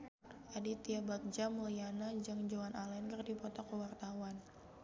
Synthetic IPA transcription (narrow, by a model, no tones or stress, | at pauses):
ʔadit̪iabak̚d͡ʒamulianad͡ʒɨŋd͡ʒowanʔalɛnkɨrdipɔt̪ɔkəwart̪awan